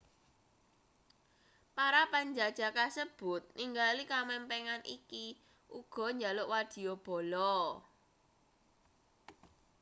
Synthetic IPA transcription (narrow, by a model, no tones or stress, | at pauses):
paɾapaɲd͡ʒad̥ʒ̥a̤kasəb̥ʊ̤t̪̚niŋɡalikamɛmpɛŋanʔiki | ʔuɡ̥ɔ̤ɲd͡ʒalʊʔwad̪̥i̤job̥ɔ̤lɔ